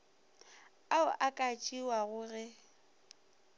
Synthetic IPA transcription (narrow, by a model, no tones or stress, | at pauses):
aʊʔakʼat͡ʃʼiwaɣʊɣɛ